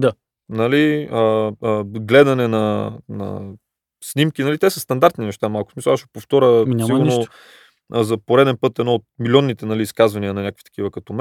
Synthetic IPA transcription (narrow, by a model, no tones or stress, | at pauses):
d̪a | nɐliəəɡlɛd̪ɐnɛnɐnɐ̰ | snʲimkinɐlit̪ɛsəst̪ɐnd̪aɾt̪ninɛʃt̪amalˠkʊsmisɐlˠaʃɛpoft̪ɔɾʲəiɡʊɾno | əzɐpoɾɛd̪ɛnpɤt̪ɛd̪nɔot̪̚milʲɔnːit̪ɛnɐliːskazvɐniənɐnʲakəkvit̪kivəkɐt̪om